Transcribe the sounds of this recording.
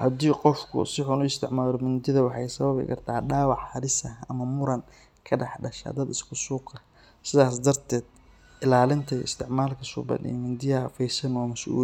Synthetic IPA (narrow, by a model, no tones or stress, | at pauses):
hɐd̪iːqɔfkʰʊ̰sɪħʊnʊɪst̪ʰɪʕmaːlɔmʊnd̪ɪðɐwɑħɑjsɐβɐβɪ̰kʰɐrt̪ʰaːɖaːwɑħhɐɾɪsɐhɐmɐmʊɾɐn | kʰɐɖɑħɖɐʃa̰ːd̪ɐd̪ɪskʰʊsuːqɐ | sɪðaːs̬d̪ɐrt̪ʰɛːd̪̚ | ʔɪlaːlɪnt̪ʰɐɪ̰st̪ʰɪʕmaːlkʰɐsʊ̰bɐ̰d̪ḭmɪnd̪ɪjɐfɛjsɐnɔːmɐsʔṵː